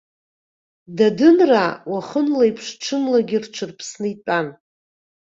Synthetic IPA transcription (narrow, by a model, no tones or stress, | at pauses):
dadɨnrawaχənlaipʰʂʈ͡ʂʰɨnlaɡʲɪrʈ͡ʂʷʰɨrpʰsnɨitʼan